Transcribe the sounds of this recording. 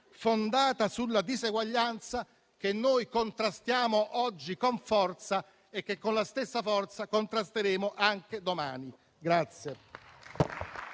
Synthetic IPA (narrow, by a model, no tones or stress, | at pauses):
fond̪aːt̪asulːad̪izeɡwaʎːant̪sa | k̟enːoːjkont̪ɾast̪jaːmoʔɔd͡ʒːikoɱfɔrt̪sa | ek̟ːekːonlast̪esːafɔrt̪sakont̪ɾast̪eɾeːmoʔaŋk̟ed̪oma̰ːni | ɡɾat̪sje